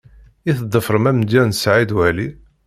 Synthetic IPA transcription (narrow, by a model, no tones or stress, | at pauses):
iθəd̪ˤːəfɾˤəmæmd̪ːænsʕid̪wæli